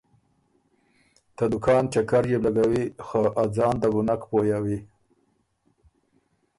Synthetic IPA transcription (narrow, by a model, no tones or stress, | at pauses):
t̪ad̪ʊkɑnt͡ʃakaɾjeblaɡawixoʔad͡zɑnd̪əbʊnakpojawi